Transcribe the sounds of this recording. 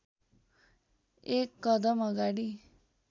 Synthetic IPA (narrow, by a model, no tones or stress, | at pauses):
ekːʌd̪ʌmʌɡaɽi